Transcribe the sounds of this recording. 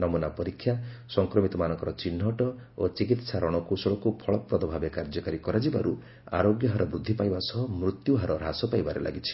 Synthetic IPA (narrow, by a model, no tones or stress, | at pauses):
nɔmunapɔɾikʰːjasɔŋkɾɔmit̪ɔmanɔŋkɔɾɔt͡ʃinːɔʈɔ | ot͡ʃikit̪saɾɔɽ̃ɔkusɔɭɔkupʰɔɭɔpɾɔd̪ɔbʱabekaɾd͡ʒɔkaɾikɔɾad͡ʒibaɾu | a̰ɾoɡjɔɦaɾʔɔbɾud̪ʱːipajbasɔɦɔmɾut̪juɦaɾɔɾasɔpajbaɾḛlʔa̰ɡit͡ʃʰi̥